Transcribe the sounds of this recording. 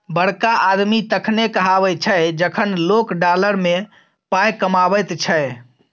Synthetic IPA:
bəɽ̤kaʔad̪mit̪əkʰnekəɦabət͡ʃʰəjd͡ʒəkʰənlokɖaləɾme | pajkəmabəjt̪t͡ʃʰə

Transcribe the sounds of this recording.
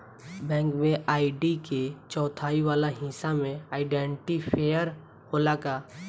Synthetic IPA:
bɛ̃ːŋkmẽʔaːiɖiket͡ʃɔːt̪ʰaːiʋaːlaɦĩsamẽaːɪɖɛ̃ːɳʈipʰejəɾ | holakaː

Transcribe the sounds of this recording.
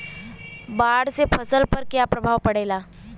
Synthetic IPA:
baːɽsepʰəsəlpəɾkjapɾəbʱaːʋpɐɽeːlaː

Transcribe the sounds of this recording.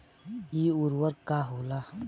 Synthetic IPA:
iːuɾwəɾkaɦoːla

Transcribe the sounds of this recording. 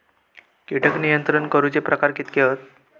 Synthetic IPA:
kiʈʰəknijənt̪ɾənkəɾuːt͡sepɾəkaɾkit̪keət̪̚

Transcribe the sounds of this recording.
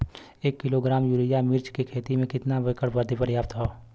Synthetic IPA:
eːkːɪloɡɾaːmjuɾijamɪɾt͡ʃkekʰeːt̪imẽkɪt̪nabəkəɽbəɾd̪ʱipəɾjaːp̚t̪ɦoː

